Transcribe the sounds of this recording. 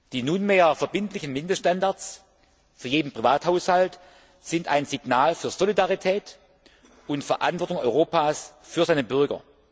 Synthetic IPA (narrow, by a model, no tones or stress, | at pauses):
d̥iːnunmeːɐfɛɐbɪntlɪçnmɪndəsʃtandaɐs | fyːɐjeːdn̩pʁ̥ivaːthaʊshalt | z̥ɪnta̰ɪnzɪɡ̥naːlfyːɐz̥olidaʁitʰɛːt | ʔʊntfɛɐʔa̰ntvɔɐtʊŋɔʏʁoːpaːsfyːɐzaɪnəbʏɐɡɐ̰